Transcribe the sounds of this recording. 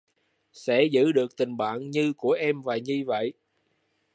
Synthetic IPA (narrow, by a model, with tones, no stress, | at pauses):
sɛ̰˧˥zɨ̰˧˥ɗɨ˨˩ək̚t̪ï˨˩ŋ̟ɓa̰ː˧˨nɲɨ˧ku˧˩əʔɛ˧mvaː˨˩ɲɨ˧və̰˧˨jʔ